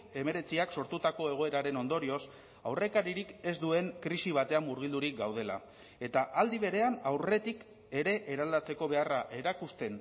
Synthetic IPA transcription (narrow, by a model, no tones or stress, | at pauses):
e̞me̞ɾe̞t͡siakso̞ɾt̪ut̪ako̞e̞ɣ̞o̞e̞ɾaɾe̞no̞nd̪o̞ɾio̞s | a̰wre̞kaɾiɾike̞zd̪ue̞ŋkɾisiβ̞at̪e̞amːuɾɣ̞ild̪uɾik̚ɡawð̞e̞la̰ | e̞t̪aʔald̪iβ̞e̞ɾe̞anawre̞t̪ik | e̞ɾe̞ʔːɾald̪at͡se̞ko̞β̞e̞araʔe̞ɾakust̪e̞n